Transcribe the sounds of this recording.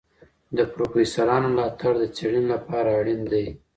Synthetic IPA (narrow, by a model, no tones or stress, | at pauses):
d̪əpɾofesaɾɑnomlɑt̪aɽd̪ət͡seɽənlapɑɾaːɽind̪aj